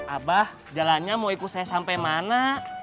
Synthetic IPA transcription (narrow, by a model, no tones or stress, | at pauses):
ʔabah | d͡ʒalanɲamoikusajasampajmana